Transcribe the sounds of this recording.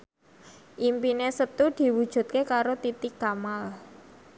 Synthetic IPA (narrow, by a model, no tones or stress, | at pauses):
ʔimpinesət̪ud̪̥i̤wud̥ʒ̥ṳt̪̚kekaɾot̪it̪ɪkamal